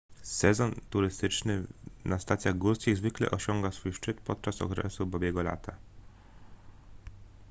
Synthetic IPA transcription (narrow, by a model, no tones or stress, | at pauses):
sɛzɔnt̪uɾɘst̪ɘt͡ʂnɘnast̪at̪sʲjaɣɡuɾskʲiɣzvɘklɛ̰ʔɔɕɔŋɡasfujʂt͡ʂɘt̪pɔt̪̚t͡ʂasɔ̰kɾɛ̰subɔbjɛɡɔla̰t̪ʰa